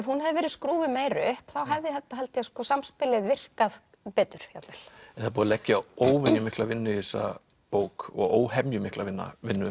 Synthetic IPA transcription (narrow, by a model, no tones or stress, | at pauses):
ɛvhunhɛðɪvɛːɾɪðskɾuːvɪmeːjɾʏhpθawɦɛvðɪθɛt̪ːaɦɛlt̪ɪaskɔsamspɪlɪðvɪr̥kað | pɛːt̪ʏɾ̥hat̪el̥ɛθapuːðalɛcːaoːwvɛnjʏmɪhklavɪnːʏisːa̰ | poːwkɔ̰ɣoːwɦɛmjʏmɪhklavɪnːa̰vɪnːʏ